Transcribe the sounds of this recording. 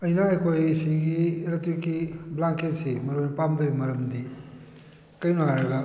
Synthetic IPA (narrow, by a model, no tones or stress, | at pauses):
ɐjnaɐjkʰojsiɡiɾatikiblaŋkʰesimɐɾonipamdoimɐɾɐmdi | kɐjnuaɾɐɡɐ